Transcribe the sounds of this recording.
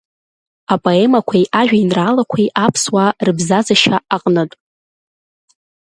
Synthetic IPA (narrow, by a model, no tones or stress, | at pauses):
apʼoe̞makʷʰajʔaʒᶣainraːlakʷʰajʔapʰswarɨbzazaʃaaqʼnɨtʼ